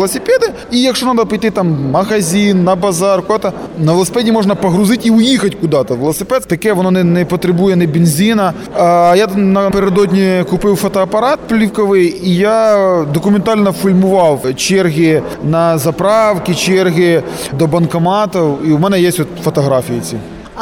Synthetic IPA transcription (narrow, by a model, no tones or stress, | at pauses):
lˠɐsʲɪpʲed̪ɪ | ijɐkʂonɑd̪ɐpɪjt̪ɪt̪ɑmmɐɣɐzʲinːɐbɐzɑrkʊd̪at̪ɐnɐʋelˠsʲɪpʲedʲnʲimoʐnɐpɐɣɾʊzɪtʲiʊjixɐtʲkʊd̪ɑt̪ɐʋelˠɐsʲɪpʲɛt̪t̪ɐkɛʋɔnonɛnɛpɐt̪ɾʲɪbujɛnɛbʲɪnʲzʲinɐ | ajanɐpeɾʲɪd̪od̪ʲnʲikʊpɪwfɔt̪ɔɐpɐɾɑt̪̚plʲiwkɔʋɪjijad̪ɔkʊmʲent̪ɑlʲnɐfʲulʲmʊʋɑwt͡ʃerɦʲɪ | nɐzɐpɾɑwkʲɪt͡ʃerɦʲɪd̪ɔbɐnkɐmɑt̪ɔwiumɛnɛjesʲtʲɔt̪fɔt̪ɔɦɾɑfʲijɪt͡sʲḭ